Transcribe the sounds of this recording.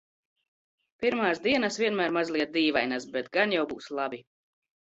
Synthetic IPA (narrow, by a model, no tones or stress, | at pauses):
piɾmaːsd̪iɛnasviɛnmæːɾmazlˠiɛt̪̚d̪iːvajnasbɛt̪ɡanjawbuːslˠabi